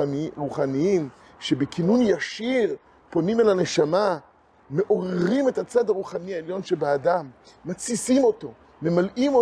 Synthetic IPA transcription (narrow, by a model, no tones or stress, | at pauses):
ʁuχaniim | ʃebekʰinunjaʃiʁ | po̞nimelane̞ʃama | me̞ʔo̞ʁeʁime̞t̪hat͡sad̪aʁuχaniaeljo̞nʃe̞beadamː | at͡sisimo̞t̪o̞ | me̞malimo